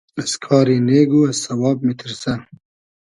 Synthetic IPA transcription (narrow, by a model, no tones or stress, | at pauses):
ɐskʰɑːɾiːneːɡuːɐsːɐwɑːb̚mit̪ʰiɾsɐn